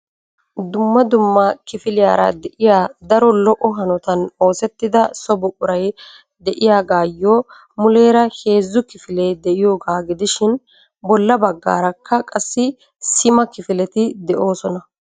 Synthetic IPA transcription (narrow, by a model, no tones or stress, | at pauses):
d̪ʊmːɐd̪ʊmːɐkɪfɪlɪjaːɾɐ̰d̪ɛʔɪjaːd̪ɐɾɔlɔʔɔɦɐnɔt̪ɐno̞ːsɛt̪ːɪd̪ɐsɔbɔkʼʊɾɐj | d̪ɛʔɪjaːɡaːjːoː | mʊle̞ːɾɐhe̞ːzːʊkɪfɪlejd̪ɛʔɪjoːɡaːɡɪd̪ɪʃɪn | bɔlːɐbɐɡːa̰ːɾɐkʰːɐkʼɐsːɪ | sɪmɐkɪfɪlɛt̪ɪd̪ɛʔo̞ːsɔnɐ